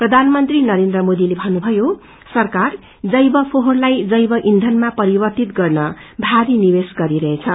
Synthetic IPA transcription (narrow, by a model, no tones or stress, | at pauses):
prʌd̪ʱanmʌnt̪rinʌɾend̪rʌmod̪ilebʱʌnːubʱʌjo | sʌrkar | d͡zʌjbʌpʰoɦorlajd͡zʌjbʌʔind̪ʱʌnmapʌɾibʌrt̪it̪ɡʌrnʌbʱaɾinibesɡʌɾiɾʌɦet͡sʰʌ